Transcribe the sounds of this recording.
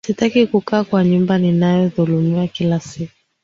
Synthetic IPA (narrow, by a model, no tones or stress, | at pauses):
sitakikukaːkwaɲumbaninajɔðulumiakilasiku